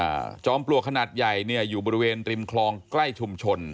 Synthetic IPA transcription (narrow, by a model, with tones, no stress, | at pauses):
t͡ɕɔː˧mplu˨˩əkʰa˧naː˨˩t̪̚ja˨˩jni˥˩əjuː˨˩bɔː˧ɾi˧weː˧nɾi˧mkʰlɔː˧ŋkla˥˩jt͡ɕʰu˧mt͡ɕʰo˧n